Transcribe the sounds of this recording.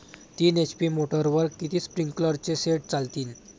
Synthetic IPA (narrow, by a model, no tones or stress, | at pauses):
t̪iːnet͡ɕpiːmoʈəɾʋəɾkkit̪iːspɾiŋɡkələɾt͡seseʈ̚t͡salt̪iːn